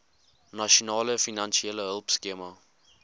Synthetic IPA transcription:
naʃonɑːləfinanʃieləɦəlˠpskemɐ

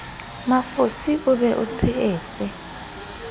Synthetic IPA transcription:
mafusiʔuβɛʔṵt͡sʰiɛːt͡sʼɛ

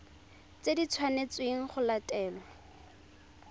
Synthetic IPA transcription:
t͡sedit͡sʰwanet͡sweŋ̩χʊlatʼɛːlɔ

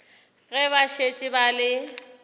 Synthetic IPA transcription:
ɣɛβaʃet͡ʃʼɪbalɪ

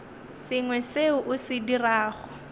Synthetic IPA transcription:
sɪŋwɛseʊʔʊsɪdiraːχʊ

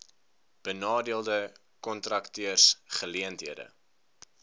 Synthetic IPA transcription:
b̥ənɑːdiəlˠdə | kɔntrɐktøərsχəliəntɦiədə̰

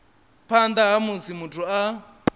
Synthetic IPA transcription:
pʰand̪aɦamusimutʰua

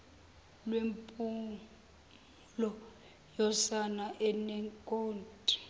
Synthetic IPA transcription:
lwempʼu | lɔ | jɔsanaʔɛnɛŋkʼoːntʼi̥

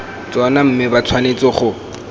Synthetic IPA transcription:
t͡sɔnam̩mɪbat͡sʰwanet͡sʼɔχʊ

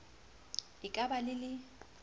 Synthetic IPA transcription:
ɪkʼabalɪlɪ

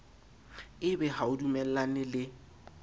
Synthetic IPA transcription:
ɪbɛhaʊdumɛl̩lanɪlɪ

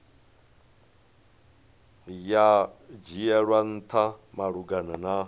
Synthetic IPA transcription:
jad͡ʒijɛɺwan̩t̪ʰamaɺuɡanana

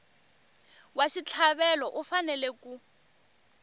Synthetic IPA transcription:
waʃit͡ɬʰaβɛlɔʔufanɛlɛku

